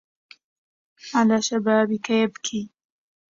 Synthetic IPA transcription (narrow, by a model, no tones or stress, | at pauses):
alaʃɐbaːbikʰɐjebkʰi